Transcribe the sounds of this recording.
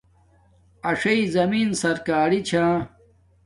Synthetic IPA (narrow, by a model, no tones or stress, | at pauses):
ɐʂɐizɐminsɐɾkaːɾit͡ɕʰãː